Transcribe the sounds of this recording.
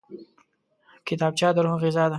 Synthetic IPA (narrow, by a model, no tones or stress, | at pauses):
kɪt̪ɑːb̚t͡ʃɑd̪əɾɦʊɣɪzɑd̪a